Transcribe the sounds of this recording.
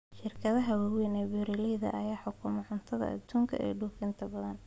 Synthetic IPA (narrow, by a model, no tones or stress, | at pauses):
ʃɪrkʰɐðɐɦɐwawɛnɛbɛɾɛlɛjðɐ̰ʔɐjaːħʊkʰʊmɛʕʊnt̪ʰɐðɐ̰ʔɐ̰d̪uːŋkʰɐ̰ɛ̰ːɖuːfɪnt̪ʰɐbɐðɐn